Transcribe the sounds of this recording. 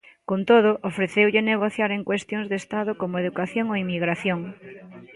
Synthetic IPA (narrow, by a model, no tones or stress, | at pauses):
kont̪oð̞ʊʔofɾeθewʎɪneɣ̞oθjaɾeŋkwest̪joŋzðest̪aðʊkomoeðukaθjoŋoimiɣɾaθjoŋ